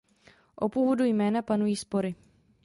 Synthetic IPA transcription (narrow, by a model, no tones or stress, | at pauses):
ʔopuːvodujmɛːnapanujiːspo̞ɾɪ